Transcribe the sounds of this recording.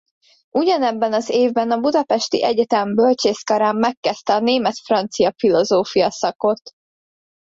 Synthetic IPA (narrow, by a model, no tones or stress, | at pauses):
ʔuɟɒnɛbːɛnɒzeːvbɛnɒbud̪ɒpɛʃt̪iʔɛɟɛt̪ɛmbølt͡ʃeːskɒɾaːmːɛkːɛst̪ɛɒneːmɛt̪frɒnt̪sijɒfilo̞zoːfijɒsɒko̞t̪